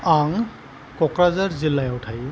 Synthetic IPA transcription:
aŋ | kɔkɹazaɹzilːajawtʰaj

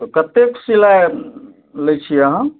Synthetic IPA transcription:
kət̪eksila | ləjt͡ʃʰiəɦə̃

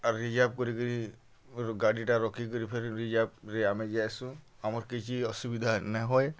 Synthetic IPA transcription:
ɾid͡ʒap̚kɔɾikɔɾi | ɡaɽiʈaɾɔkik̬ɔɾipʰeɾiɾid͡ʒab̚ɾɛamed͡ʒajsũ | amɔɾkit͡ʃʰiɔsubid̪ʱanaɦɔj

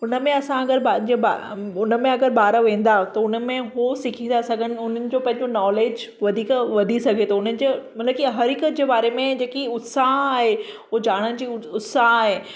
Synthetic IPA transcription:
ʊnəmẽɐsãɐɡəɾbad͡ʑebaʊnə̆mẽɐɡəɾbaːɾəʋẽːn̆d̪at̪ɐʊnə̆mẽɦosɪkʰĩnd̪asɐɡʱəñɪ̆ʊn̤ənɪ̆d͡ʑoːpɐ̃ɦɪ̃ɲd͡ʑonɔːleːd͡ʑʋɐd̪ʱiːkʋɐd̪ʱisɐɡʱet̪ɐʊnənɪ̆d͡ʑemɐt̪lɐəb̚kiɦɐɾikət̪̚d͡ʑeːbaːɾemẽd͡ʑeːkiʊt̪saɦaːɦe | ʊod͡ʑaːɽ̃ənd͡ʑiːʊt̪saɦaːɦeː

